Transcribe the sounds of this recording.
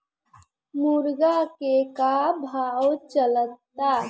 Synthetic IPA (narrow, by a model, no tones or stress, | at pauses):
muɾɡakekabʱawt͡ʃələtː | a